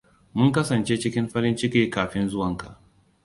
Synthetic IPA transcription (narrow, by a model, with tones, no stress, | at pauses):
mʊ˦ŋkɐ˦sɐ˨nt͡ʃe˦t͡ʃɪ˦kʲɪ˦mɸɐ˦ɾɪ˦nt͡ʃɪ˦kʲiː˦kaː˨ɸɪ˦nzʊ˦wɐ˨ŋka˨ʔ